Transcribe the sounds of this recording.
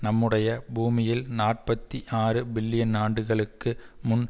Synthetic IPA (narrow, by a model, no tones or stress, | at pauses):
nɐmːɯɽɐjɐbuːmɪjɪlnaːʈ̚pɐt̪ːiʔaːrɯbɪlːɪjɐnaːɳɖɯɣɐɭɯkːɯmʊn